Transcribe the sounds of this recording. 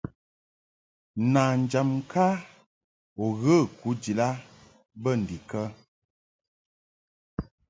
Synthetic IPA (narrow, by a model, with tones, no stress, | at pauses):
na˨n̩˨d͡ʒa˨m˦kʰa˦ | ɔ˨ɣə˦˨ku˨˦d͡ʒi˨la˦ | bə˦˨n̩˨di˨kə˦